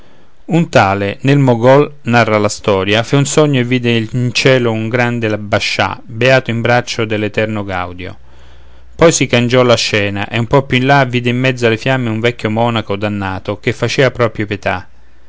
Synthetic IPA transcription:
unt̪aːlenelmoɡɔlnarːalast̪ɔːɾjafaunsɔɲːoevːiːd̪ent͡ʃɛːlouŋɡɾand̪elabːaʃːa̰beaːt̪oimbɾat͡ʃːod̪elːet̪ɛrnoɡa̰wd̪jo̰ | pɔjsikand͡ʒɔlaʃːɛːna̰ʔeumpɔpjuinlaviːd̪eimːɛd̪zːʊalefjamːeuɱvɛkʰʲːjomɔːnakod̪anːaːt̪okefːat͡ʃɛːapɾɔpɾjopjet̪a

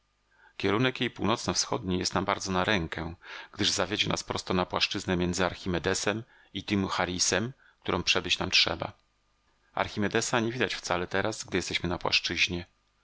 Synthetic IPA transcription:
kʲɛɾunɛkjejpuwnɔt̪snɔfsxɔ̰d̪ɲijɛst̪nambaɾd̪zɔnaɾɛŋkɛɡ̥d̪ɘʐzavʲjed͡ʑɛnʔa̰spɾɔ̰st̪ɔnapwaʂt͡ʂɘznɛmʲjɛnd̪zɘaɾxʲimɛd̪ɛsɛm | it̪ɘmxaɾʲisɛm | k̚t̪uɾɔ̃w̃pʂɛbɘt͡ɕnamtʂɛ̰ba̰ | a̰ɾxʲimɛd̪ɛsaɲevʲid̪at͡ɕft̪salɛt̪ɛɾasɡd̪ɘjɛst̪ɛɕmɘnapwa̰ʂt͡ʂɘʑɲɛ

